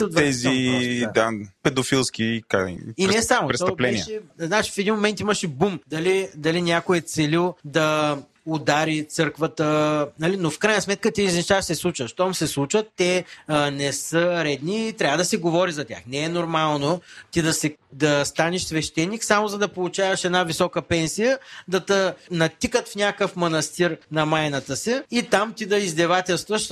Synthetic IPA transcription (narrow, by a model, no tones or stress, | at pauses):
st̪vɛzid̪apɛd̪ofilˠskʲika̰innɛsamoɾɛst̪ɔplɛnɛiɛznat͡ʃi̥fɛd̪inmomɛnt̪iməʃɛbumd̪ɐlid̪ɐlinʲakoɛt̪sɛlilˠd̪ɐ | od̪aɾit̪sɤɾkvət̪ənɐlinofkɾajnɐsmɛt̪̚kət̪iiznʲit͡ʃaʃsɛslˠut͡ʃvəʃt̪ɔmsɛslˠut͡ʃvət̪ːɛnɛsəɾɛd̪niːt̪ɾʲavəd̪ɐsɛɡovɔɾizɐt̪ʲja̰xnɛɛnoɾmalˠnot̪id̪ɐsɛd̪ɐst̪aniʃsvɛʃt̪ɛnːiksamozɐd̪ɐpolˠut͡ʃavɐʃɛd̪navisɔkəpɛnsijəd̪ɐt̪ənɐt̪ikət̪fnʲakəfmonɐst̪iɾnɐmajnɐt̪əsɛit̪amt̪id̪ɐizd̪ɛvat̪ɛlˠst̪vəʃ